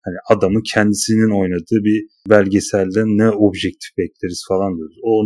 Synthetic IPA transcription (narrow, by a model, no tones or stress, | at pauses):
haniʔad̪amɯcʰɛnd̪isinino̞jnad̪ɯːbi | bælʲɟesælʲd̪ænːɛo̞bʒɛc̚t̪ʰi̥fbɛclʲeɾiz̥falˠand̪ijoɾuzo